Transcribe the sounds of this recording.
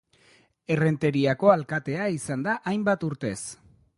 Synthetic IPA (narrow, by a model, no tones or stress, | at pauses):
e̞re̞nt̪e̞ɾiako̞alkat̪e̞aisand̪aʔajmbat̪uɾt̪e̞s